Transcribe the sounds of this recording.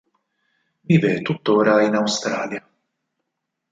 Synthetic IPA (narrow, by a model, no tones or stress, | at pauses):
viːvet̪ːut̪ːoːɾainawst̪ɾaːlja